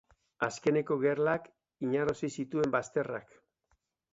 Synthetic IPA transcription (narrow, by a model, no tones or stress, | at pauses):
aske̞ne̞ko̞ɣe̞rlak | iɲaɾosisit̪ue̞mbast̪e̞ra̰k